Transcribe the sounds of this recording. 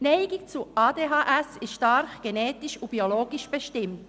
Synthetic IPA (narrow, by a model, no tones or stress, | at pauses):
nɛɪɡɪkt͡suʔɑːdeːɦɑːʔɛsɪstʃtɑɾxɡ̥enɛːtɪʃʊb̥ioloːɡɪʃb̥eʃtɪmt